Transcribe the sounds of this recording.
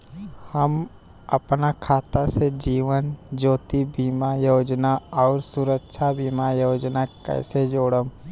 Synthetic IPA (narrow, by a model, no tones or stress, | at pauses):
həm | əpnakʰaːt̪ased͡ʒiːʋənd͡ʒoːt̪ibimajoːd͡ʒnaɔːɾsʊɾəkʃʰabiːmajoːd͡ʒnakɛ̰ːsed͡ʒoːɽəm